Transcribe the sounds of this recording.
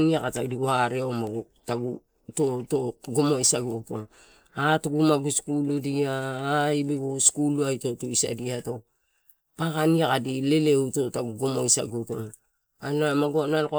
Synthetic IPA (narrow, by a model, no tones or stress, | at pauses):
niakatadiwaɾeomaɡu | taɡu | totoɡomoisaɡuto̞̰ | atuɡumaɡuskuludiaːibeɡoskuluajto̞toisa̰diato | pakaniakadile̞leuto̞taɡuɡomoisa̰ɡuto̞̰ | anamaɡanalko